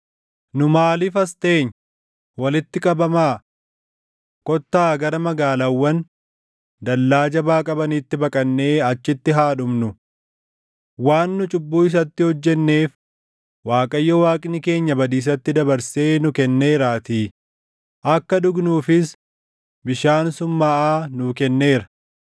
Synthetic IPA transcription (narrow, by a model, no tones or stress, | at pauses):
nʊmaːlɪfɐst̪e̞ːɲ | wɐlɪt̪ːɪkʼɐbɐmaː | kʼɔt̪ːaːɡɐɾɐmɐɡaːlawːɐn | d̪ɐlːaːd͡ʒɐbaːkʼɐbɐniːt̪ːɪbɐkʼɐnːe̞ːɐt͡ʃːɪt̪ːɪɦaːᶑʊmnʊ | waːnːʊt͡ʃʼʊbːuːɪs̬ɐt̪ːɪhɔd͡ʒːɛnːe̞ːf | waːkʼɐjːɔwaːkʼɪnɪke̞ːɲːɐbɐd̪iːs̬ɐt̪ːɪd̪ɐbɐɾse̞ːnʊkɛnːe̞ːɾaːt̪iː | ʔɐkːɐd̪ʊɡnuːfɪs | bɪʃaːnsʊmːaːʔaːnʊkɛnːe̞ːɾɐ̥